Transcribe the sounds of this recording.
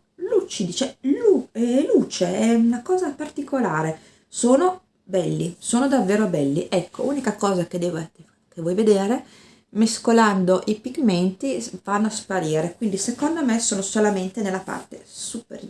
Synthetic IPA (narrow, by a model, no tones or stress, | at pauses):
lut͡ʃːid̪it͡ʃɛluɛluːt͡ʃeɛunakɔːzapart̪ikolaːɾe | soːno | bɛlːisoːnod̪avːeːɾobɛlːiʔɛkʰːo̰uːnikakɔːzaked̪ɛːv | kevːɔjved̪eːɾe | meskoland̪oʔipiɡment̪ivanːoaspaɾiːɾekwind̪isekond̪omesoːnosolament̪enelːapa̰rt̪ḛsupḛr